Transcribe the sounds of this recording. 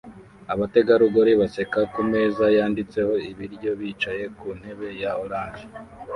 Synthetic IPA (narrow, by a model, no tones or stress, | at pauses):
aβate̞ɡaɾuɡoɾiβase̞kakume̞ːzajaːndit͡se̞ho̞iβiɾɟo̞βiːt͡ʃaje̞kuːn̥he̞βe̞jaoɾaːnʒe